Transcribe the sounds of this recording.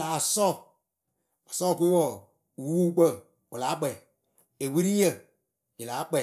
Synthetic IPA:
a˨sɔ˦˨ | a˨sɔ˦˨ku˦i˦wɔ˦˨ | wwuː˦k͡pə˦˨ | wo˨laː˨˦k͡pɛ˨ | e˨wɨ˦ɾi˦jə˨ | ji˨laː˨˦k͡pɛ˦˨

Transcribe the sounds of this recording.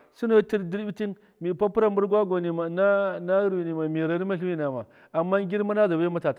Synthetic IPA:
su˦no˦ti˦ɾdi˦ɾbi˦ti˦n | mi˨pa˦pu˦ɾa˨m˦bu˦ɾɡwa˦ɡo˨ni˨ma˨na˦na˦ɾwi˨ni˨ma˨mi˨ɾa˨ɾi˦ma˦ɬi˦wi˦na˨ma˨ | a˨mːa˦ŋ˦ɡʲi˦ɾma˦na˦za˨ba˦ja˦ma˦ta˨t

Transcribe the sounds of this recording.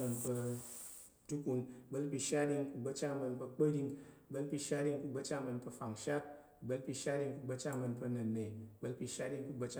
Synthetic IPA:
ə˧npə˧ | tu˦ku˧nbə˦lpʲi˧ʃa˦di˧ŋku˧ɡ͡bə˧˦t͡ʃa˦˧mə˧npə˧k͡pə˦di˧ŋ˨ | bə˦lpi˧ʃa˦di˦˧ŋku˧ɡ͡bə˧t͡ʃa˦˧mə˧npə˧fa˨ŋʃa˦t̚ | bə˦lpi˧ʃa˦ɾi˧ŋku˧ɡ͡bə˧t͡ʃa˦˧mɐ˧npə˧nɐ˨nːe˨bə˦lpi˧ʃa˦di˦˧ŋku˧ɡ͡bə˧t͡ʃa˦

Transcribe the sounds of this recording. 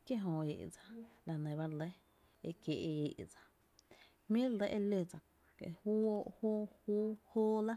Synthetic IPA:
kje˦ɦõ˧ḛ˨ʔd͡za˨la˨nẽ˨βa˦ɾle˦ | ḛ˧kje˨ʔe˧e˨ʔd͡zḁ˨ | hmĩ˦ɾle˦ʔe˦le˧˨d͡za˨ | kḛ˨hu˦o˦˧ʔhoː˦huː˦hoː˦la˦

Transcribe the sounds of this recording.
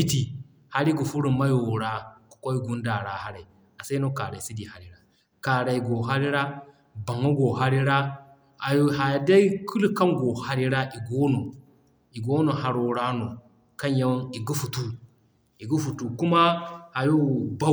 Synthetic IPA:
bi˦ti˨ | ha˦ɾi˦ɡu˨fu˦ɾu˨ma˦jo˨ɾa˦kḁ˨ko˦i˦ɡu˦nda˨ɾa˨ha˦ɾa˨ | a˨sa˦i˦no˦ka˨ɾa˨i˨si˦di˨ha˨ɾi˦ɾa˦ | ka˨ɾa˨i˨ɡo˨ɦa˦ɾi˦ɾa˦ | ba˨ŋu˦ɡo˨ɦa˦ɾi˦ɾa˦ | a˨jo˦ɦa˨ja˨da˦i˦kʰu˦lka˦nɡo˨ha˦ɾi˦ɾa˦ʔi˨ɡo˦no˨ | i˨ɡo˦no˨ɦa˨ɾo˨ɾa˦no˨ | ka˦n˦ja˦wni˨ɡu˦fu˨tu˦ | i˨ɡu˦fu˨tu˨ku˦ma˦ha˨jo˦ba˦

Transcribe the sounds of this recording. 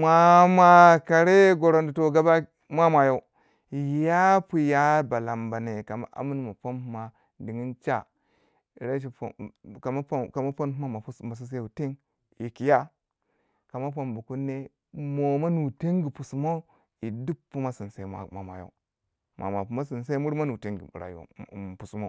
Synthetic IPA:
mʷa˨mʷa˨ka˨ɾe˦ɡo˨ɾo˨ndi˨to˨ɡa˦ba˦ | mʷa˦mʷa˨ja˦u˦˨ | ja˦pu˨ja˦ba˨la˨mba˨ne˨ka˨ma̰˦ʔa̰˦mu˦n˦ma˨po˦nhu˦ma˦ | di˨ŋi˦nt͡ʃa̰˦˨ | ɾe˦ʃ̬ḭ˨ma˦ka˨ma˦po˦nhu˦a˦ma˨˦ma˨s̬i˦s̬e˦˨u˨te˦ŋ | ji˨ki˨ja˦ | ka˨ma˦p̬o˨mbu˨ku˦nːe˦ | mo˨ma˦nu˨te˦ŋɡi˨pu˨su˨mo˦ | i˨du˦pːu˦ma˦si˨n˨se˨˦ma̰˨ma̰˨ma̰˨jo̰˨˦u˦ | mʔa̰˨ma˨pu˨ma˦si˨nse˦mu˦ɾma˦nu˨te˦ŋɡḭ˨ɾa̰˨jo̰˨pu˨su˦mo˦

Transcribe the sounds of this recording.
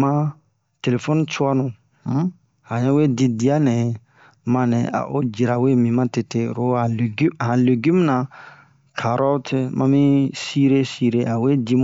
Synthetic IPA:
mã˦ | te˨le˨fo˦nũ˦t͡ʃwa˦nũ˨˦ | hã˨ɲɛ̃˦we˦di˧di˦a˦nɛ̃˨ | mã˧nɛ̃˨a̰˨ʔo̰˦d͡ʒi˨ɾa˨we˦mĩ˨mã˦te˧te˦˨ɾo˦a˨lɡhã˨le˨ɡmũ˦nã˧ | kʰa˨ɾɔ˦tʰe˧mʔã̰˧˦mĩ˦si˦ɾe˦si˧ɾe˦a˨we˦di˦m˦

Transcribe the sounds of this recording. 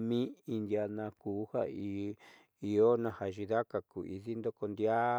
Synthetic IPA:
mĩ˦i˧nd̪ja˧nã˧kuː˨˦ha˦i˧ | i˧o˦nã˧ha˨ʒi˧ða˦ka˨ku˨ʔḭ˧ði˦nd̪o˦ko˧nd̪ja˦

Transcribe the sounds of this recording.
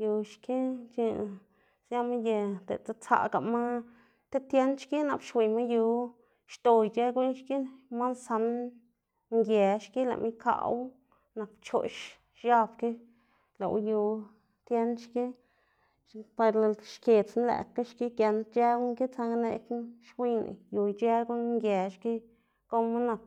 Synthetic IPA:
ju˧ʃki˦t͡ʃi˧ | sja˦ma˦je˧d̪ḛ˨t͡sa˦t͡sa̰˧˨ɡa̰˨ma˦ | t̪e˦t̪je˦nʃki˦na̰˨pʃwʷi˨ma˦ju˧ | ʃt̪o˨jt͡ʃe˦ɡu˦ɲʃki˦ma˦nsa˧n | ŋɡje˨ʃki˦la̰˨mi˦ka̰˧˨w | na˨kt͡ʃo̰˨ʃ | ʃja˦bke˦ | la̰˨w̰ju˧ | t̪je˦nʃki˦ | pe˧ɾla˧ʃkʲe˨t͡sn˦læ̰˨kːa˦ʃki˦kje˧nt͡ʃe˦ŋki˦t͡sa˧ŋnḛ˧kʃwi˧nḭ˨ju˧jt͡ʃe˦ɡu˦ɲŋɡʲje˨ʃki˦ | ɡ̥o˦ma˦na˨k̚

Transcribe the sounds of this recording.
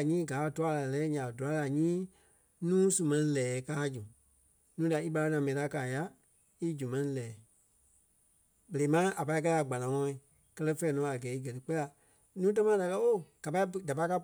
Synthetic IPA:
ɲĩː˦ɡaː˨˦˨tu˦a˨˧la˨lɛː˦ɲã˨du˨a˨˧˦la˨ɲĩː˦ | nũː˦su˨mɛ̃˧nĩ˧lɛː˨˦kaː˦d͡ʒu˨ | nũː˨˦da˨i˦ɓa˧la˧˦nã˨mɛ̃˨ĩ˨˦a˨˧kaː˨ja˧˦ | i˦d͡ʒu˨mɛ̃˨˦nĩ˧lɛː˨˦ | be˨e˨˦mã˦ʔa˨pa˧i˦k̬a˧˦a˨ɡ͡ba˨nã˨ŋɔ̃˧˦ĩ˨ | kɜ˦lɜ˦fɛː˨˦nɔ̃ː˨˦a˨ɡɛː˨˦i˦ɡɜ˨tɨ˧˦k͡pɛ˦la˨ | nũː˦t̬ɛ̃˦mã˦da˨kɜ˦o˦˨ɡ̥a˨pa˧i˦da˨pa˧˦ka˧˦p

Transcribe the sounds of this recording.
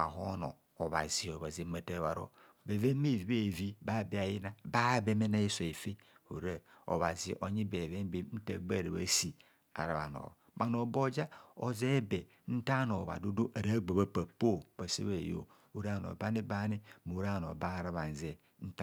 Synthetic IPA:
a̰˨ɦo˦no̰˨ | o˨βa̰˨zi˨o˨βa˨zi˨˦ma˨te˦βa̰˨ɾo̰˦ | be˨ve˦me˦˨vi˨˦e˦˨vi˦ba˦bi˦a˨ji˦na˦ba˦be˦me˦na˦i˦so˨e˨fe˦ | ho̰˨ɾe˦o̰˨βa˨zi˨ʔo˨ɲi˦be˨ve˦m˦be˦n̩˦ta˦˨ɡ͡ba˦˨ɾe˨βa̰˦si˨ | a̰˨ɾa˨βa̰˨no̰˨ | ma˨no˨bo˦d͡ʒa˦o˨ze˦be˨ | n̩˦ta˦no˨βa̰˨du˦du˦ʔa˨ɾa˦ɡ͡ba˨βa˦pa˨po˦ba˨sḛ˦βe˨jo̰˦˨ | u˦ɾa˦˨no̰˨ba˦ni˦ba˦ni˦mu˨˦ɾa˦˨no̰˨ba˦˨ɾa˦βa˨n˨ze˦ | n̩˦t

